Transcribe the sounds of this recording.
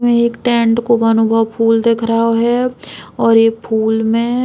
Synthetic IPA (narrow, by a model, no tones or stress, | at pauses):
ẽeːkʈẽːɳʈkobɐnubʱəʋpʰuːld̪eːkʰɾaɦaɦɛɔːɾjepʰuːlmẽ